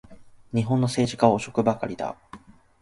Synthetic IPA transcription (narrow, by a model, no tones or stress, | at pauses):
ɲ̟iɦõ̞nːo̞se̞ːʑikaoːɕo̞kɯ̟bakaɾʲid̪a̰